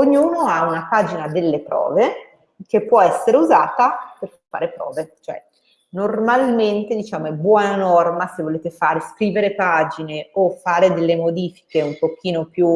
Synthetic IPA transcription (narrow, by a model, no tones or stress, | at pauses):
oɲːuːnoaunapaːd͡ʒinad̪elːepɾɔ̰ːve | kepːwɔɛsːeɾeuzaːt̪aper | fːa̰ːɾepɾɔ̰ːvet͡ʃoɛ̰ | normalment̪ed̪it͡ʃaːmoɛbːwɔːnanɔrmasevːoleːt̪efaːɾeskɾiːveɾepaːd͡ʒineofːaːɾed̪elːemod̪iːfi̥keumpok̟iːnopju